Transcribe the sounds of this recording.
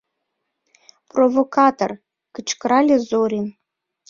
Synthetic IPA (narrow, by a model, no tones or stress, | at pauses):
provokɑt̪o̰r | kɨt͡ɕkɾɑlʲezoɾʲin